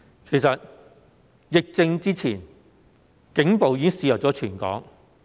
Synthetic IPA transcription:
kʰe˨˩jsɐ˨t̚ | jɪ˨k̚t͡sɪ˧ŋt͡siː˥t͡sʰiː˨˩n | kɪ˨˥ŋpo˨wjiː˧˥ɪ˥ŋsiː˧jɐ˨˩t͡sɔː˨˥t͡ʃʰyː˨˩nkɔ̰ː˨˥ŋ

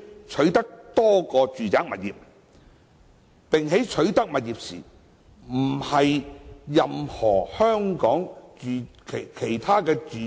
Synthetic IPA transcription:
t͡ʃʰɵ˨˥ɥt̪ɐ˥k̚t̪ɔː˥kɔː˧t͡ʃyː˨t͡saː˨˥k̚mɐ˨t̚jiː˨p̚ | pɪ˨ŋɦe˨˥jt͡ʃʰɵ˨˥ɥt̪ɐ˥k̚mɐ˨t̚jiː˨p̚sḭː˨˩ | m̩˨˩hɐ˨jjɐ˨mhɔː˨˩hœː˥ŋkɔː˨˥ŋt͡ʃyː˨˧kʰkʰe˨˩jt̪ʰaː˥kɛː˧t͡ʃː

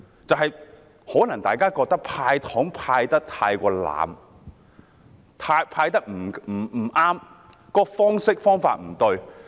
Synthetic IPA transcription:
t͡sɐ˨wɦɐ˨j | hɔː˨˥nɐ˨˩ŋt̪aː˨jkaː˥kɔː˧k̚t̪ɐ˥k̚pʰaː˧jt̪ʰɔː˨˥ŋpʰaː˧jt̪ɐ˥k̚t̪ʰaː˧jkʷɔː˧la̰ː˨m | t̪ʰaː˧jpʰaː˧jt̪ɐ˥k̚m̩˨˩m̩ː˨˩˨ʔaː˥m | kɔː˧fɔː˥ŋsɪ˥k̚fɔː˥ŋfaː˧t̚m̩˨˩t̪ɵ˧ɥ

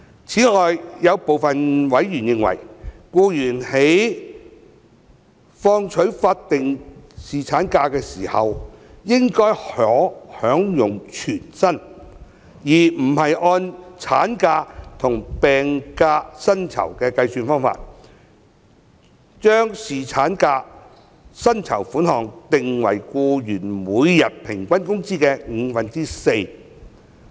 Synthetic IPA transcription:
t͡sʰiː˨˥ŋɔː˨jjɐ˨˧wpo˨wfɐ˨nwɐ˨˥jɥyː˨˩njɪ˧ŋwɐ̰˨˩jkuː˧jyː˨˩nhe˨˥j | fɔː˧ŋt͡ʃʰɵ˨˥ɥfaː˧t̚t̪ɪ˨ŋsiː˨t͡sʰaː˨˥nkaː˧kɛː˧siː˨˩hɐ̰˨wjɪ˥ŋkɔː˥jhœː˨˥hœː˨˥ŋjʊ˨ŋt͡ʃʰyː˨˩nsɐ˥n | jiː˨˩m̩˨˩hɐ˨jʔɔː˧nt͡sʰaː˨˥nkaː˧t̪ʰʊ˨˩ŋpɛː˨ŋkaː˧sɐ˥nt͡sʰɐ̰˨˩wkɛː˧kɐ˧jsyː˧nfɔː˥ŋfa̰ː˧t̚ | t͡ʃœː˥ŋsiː˨t͡sʰaː˨˥nkaː˧ | sɐ˥nt͡sʰɐ˨˩wfuː˨˥nhɔː˨ŋt̪ɪ˨ŋwɐ̰˨˩jkuː˧jyː˨˩nmuː˨˧jjɐ˨t̚pʰɪ˨˩ŋkʷɐ˥nkʊ˥ŋt͡siː˥kɛː˧ŋ̩ː˨˧fɐ˨nt͡si˥se˧j

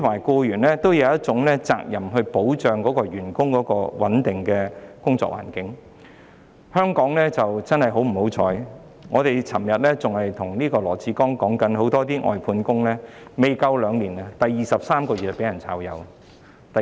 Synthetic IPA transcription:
maː˨˩jkɔː˧jyː˨˩nlɛː˥t̪o˥wjɐ˨˧wjɐ˥t̚t͡sʊ˨˥ŋlɛː˥t͡sa̰ː˧k̚jɐ˨˩mɦɵ˧ɥpo˨˥wt͡ʃœː˨ŋkɔː˨˥kɔː˧ɥyː˨˩nkʊ˥ŋkɔː˨˥kɔː˧wɐ˨˥nt̪ɪ˨ŋkɛː˧kʊ˥ŋt͡sɔ̰˧˨kwa̰ː˨˩nkɪ˨˥ŋ | hœː˥ŋkɔː˨˥ŋlɛː˥t͡sɐ˨wt͡sɐ˥nhɐ˨˩jɦo˨˥wm̩˨˩ho˨˥wt͡sʰɔː˨˧j | ŋɔː˨˧t̪e˨jt͡sʰɐ˨˩mjɐ˨t̚lɛː˥t͡sʊ˨ŋhɐ˨jt̪ʰʊ˨˩ŋniː˥kɔː˧lɔː˨˩t͡sʰiː˧kɔː˥ŋkɔː˨˥ŋkɐ˨˥nɦo˨˥wt̪ɔː˥t̪̬iː˥ʔɔ̰ː˨jpʰuː˧nkʊ˥ŋlɛː˥ | me˨jkɐ˧wlœː˨˧ŋniː˨˩nɐ˧t̪ɐ˨jːiː˨sɐ˨p̚saː˥mkɔː˧y˨t̚pe˨˥jɐ˨˩nt͡sʰaː˧wjɐ̰˨˧w | t̪ɐ˨

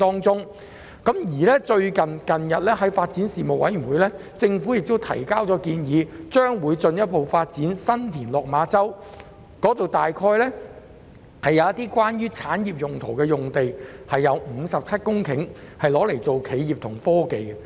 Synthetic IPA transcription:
t̪ɔː˥ŋt͡sʊ˥ŋ | kɐ˨˥mjiː˨˩lɛː˥t͡ʃɵ˧ɥkɐ˨nkɐ˨njɐ˨t̚lɛː˥ɦɐ˨˥jfaː˧t̚t͡siː˨˥nsiː˨mo˨w̚ɐ˨˥jy˨˩nwuː˨˧˦jlɛː˥t͡sɪ˧ŋfuː˨˥jɪ˨k̚t̪o˥wt̪ʰɐ̰˨˩jkaː˥wt͡sɔː˨˧˥kiː˧njiː˨˧t͡ʃœː˥ŋwuː˨˧˥jt͡sɵ˧njɐ˥t̚po˨wfaː˧t̚t͡siː˨˥nsɐ˥nt̪ʰiː˨˩nlɔː˨k̚maː˨˧˥t͡sɐ˥w | kɔː˨˥t̪o˨wt̪aː˨jkʰɔː˧jlɛː˥ | hɐ˨jɐ˨˧wjɐ˥t̪iː˥kʷwaː˥nɥyː˥t͡sʰaː˨˥njiː˨p̚jʊ˨˩ŋt̪ʰo˨˩wkɛː˧jʊ˨ŋt̪e˨jhɐ˨jːɐ˨˧wm̩ː˨˧sɐ˨p̚t͡sʰɐ˥t̚kʊ˥ŋkʰɪ̰˨˥ŋ | hɐ˨jlɔː˨˥le˨˩jt͡so˨wkʰe˨˧jiː˨p̚t̪ʰʊ˨˩ŋfɔː˥ke˨j

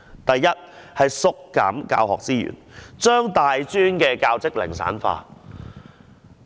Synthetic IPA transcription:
t̪ɐ˨jːɐ˥t̚hɐ˨jsʊ˨kːa̰ː˨˥mka̰ː˧whɔː˨k̚t͡siː˥jy̰ː˨˩nt͡ʃœː˥ŋt̪aː˨jt͡ʃyː˥nkɛː˧kaː˧wt͡sɪ˥k̚lɪ̰˨˩ŋsa̰ː˨˥nfa̰ː˧

